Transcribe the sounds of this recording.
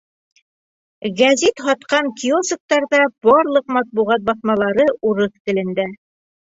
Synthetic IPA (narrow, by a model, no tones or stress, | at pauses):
ɡæzit̪ɦɑt̪qɑŋkʲiosə̆k̚t̪ɑɾðɑb̥ɑɾlˠɤqmɑt̪̚buʁɑt̪̚bɑθmɑlˠɑɾɤuɾɤθt̪ɘ̆lɘ̆nd̪æ